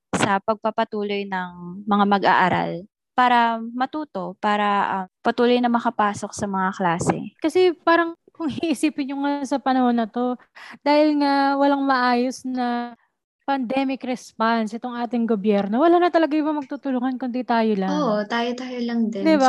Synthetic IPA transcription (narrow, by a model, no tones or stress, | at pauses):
sɐpɐɡ̚pɐpɐt̪uːlo̞jnɐŋmɐŋamɐɡʔa̰ʔɐɾa̰l | paːɾɐmɐt̪uːt̪o̞paːɾɐʔɐpɐt̪uːlo̞jnɐŋmɐkɐpaːso̞k̚sɐmɐŋaklaːsɛ̰kɐsɛpaːɾɐŋ | kʊŋhiʔɪsiːpɪnʊŋasɐpɐnɐho̞nɐt̪o̞ | d̪aːhɪlŋawɐlaŋmɐʔaːjosnɐ | pɐnd̪ɛmɪkɾɛspansʔɛt̪o̞ŋʔaːt̪ɪŋɡobjɛɾno̞wɐlaːnɐt̪ɐlɐɡajʊbɐmɐɡ̚t̪ut̪ʊloŋɐnkʊnd̪it̪aːjolaoʔt̪aːjot̪aːjolɐŋd̪ɛd̪ɪba